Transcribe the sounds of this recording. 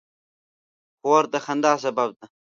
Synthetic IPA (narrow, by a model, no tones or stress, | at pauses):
xoːɾt̪ɐxɐnd̪aːs̬ɐbɐb̚t̪ɐ